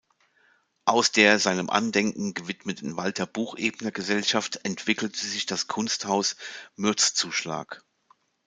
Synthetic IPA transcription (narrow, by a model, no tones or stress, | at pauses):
ʔaʊsd̥eːɐzaɪnəmʔa̰ndɛŋkŋ̩ɡəvɪtmətn̩valtʰɐbuːxʔeːbənəɡəzɛlʃaftɛntv̥ɪkl̩tʰəzɪçd̥askʰʊnsthaʊsmʏɐt͡st͡suːʃla̰ːk